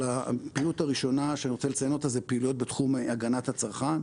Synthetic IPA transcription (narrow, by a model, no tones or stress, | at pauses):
apiːlutaʁiʃo̞naʃeaniʁot͡selet͡sajeno̞t̪azepeːlujot̚betχumaɡanathat͡saʁχan